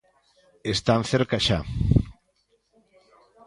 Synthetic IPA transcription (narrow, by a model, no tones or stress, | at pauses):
est̪anθeɾkaʃa